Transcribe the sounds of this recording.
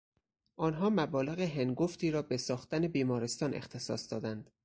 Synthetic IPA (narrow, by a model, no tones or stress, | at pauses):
ʔɒːnɦɒːmæbɒːle̞ɣeɦenɡoft̪ʰiːɾɒːbesɒːxt̪æne̞biːmɒːɾest̪ɒːnʔḛxt̪ʰe̞sɒ̰ːsd̪ɒːd̪ænd̪̥